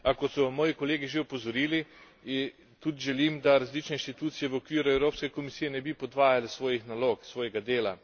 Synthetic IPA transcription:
akɔt̪sɔmɔːjikoɔleːɡiʒeɔpɔzɔɾiːli | t̪ud̪iʒɛlimd̪aɾazliːt͡ʃnɛinʃt̪it̪uːt̪sijɛʋəokʋiːɾuɛwɾoːpskɛkomisiːjɛnɛbipɔd̪ʋaːjalɛsʋoːjixnaloːksʋoːjɛɡad̪eːla

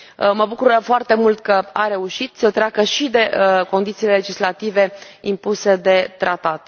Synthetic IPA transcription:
məbukuɾəfoart̪e̞mult̪kəaɾe̞uʃit̪sət̪ɾeakəʃid̪e̞ko̞nd̪it̪silele̞d͡ʒislat̪ive̞impuse̞d̪e̞t̪ɾat̪at̪

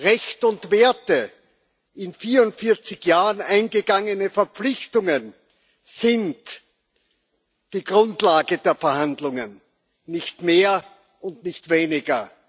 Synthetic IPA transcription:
ʁɛçtʊntv̥eːɐtə | ʔɪnfiːɐʊntfɪɐt͡sɪçjaːʁənʔãɪnɡəɡaŋənəfɛɐp͡flɪçtʊŋən | z̥ɪnt | d̥iːɡʁʊntlaːɡədeːɐfɛɐhandlʊŋənː | ɪçtmeːɐ | ʊntnɪçtv̥eːnɪɡɐ

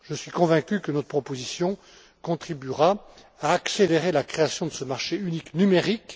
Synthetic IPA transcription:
ʒəsɥikɔ̃vɛ̃kʲykənɔt̪χəpχɔpozisjɔ̃ | kɔ̃t̪χibyʁa | aːkseleʁelakχeasjɔ̃d̪əsəmaʁʃeyniknymeʁik

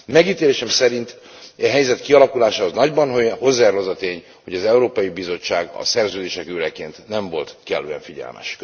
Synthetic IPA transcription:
mɛɡit̪eːleːʃɛmsɛɾint̪ | ɛɦɛjzɛt̪kiɒlɒkulaːʃaːho̞znɒɟbɒnɦho̞zːɛːrlɒzɒt̪eːɲ | ho̞ɟɒzɛuɾoːpɒjibizo̞t͡ʃːaːɡɒ̰sɛrzøːd̪eːʃɛkøːɾɛkeːnt̪nɛɱvo̞lt̪kɛlːø̰ɛɱfiɟɛ̰lmʔɛ̰ʃ

